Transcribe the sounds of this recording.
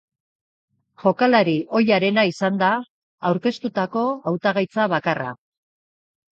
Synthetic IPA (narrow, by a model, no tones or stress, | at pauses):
ʝo̞kalaɾiʔo̞jaɾe̞naisand̪aː | wɾke̞st̪ut̪ako̞awt̪aɣajt͡saβakara̰